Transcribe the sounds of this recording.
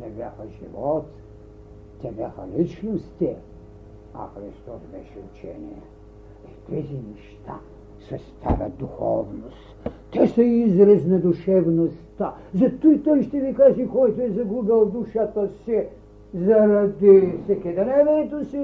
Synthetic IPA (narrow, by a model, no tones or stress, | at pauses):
nɛbja̰xɐʒḭvɔt̪ | t̪ɛbjʲa̰xɐ̰lit͡ʃnost̪i | ɐ̰xɾist̪ɔsbɛ̰ʃɛṵt͡ʃɛ̰nḭjɛ̰ | it̪ʰɛzinɛʃt̪ʰa̰ | sɐst̪ʰa̰ɾɐ̰d̪uxɔ̰vnost̪t̪ɛsɐizɾɐznɛd̪uʃɛvnost̪a | zɐt̪ujt̪ɔjʃt̪ɛvikaʒikɔjt̪oɛzɐɡuɡɐlˠd̪uʃat̪ɐsi | zɐɾɐd̪isɛkʲɛd̪nɛvɛɛt̪osi